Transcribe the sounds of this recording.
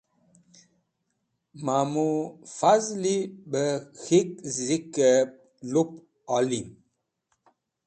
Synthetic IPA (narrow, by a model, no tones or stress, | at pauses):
mamufazliɓəxek̚zikə | lop̚ | ɔlim